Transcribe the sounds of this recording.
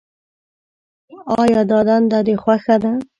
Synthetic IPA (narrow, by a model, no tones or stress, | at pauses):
ɑjɑd̪ɑd̪and̪ɑd̪exwaxad̪a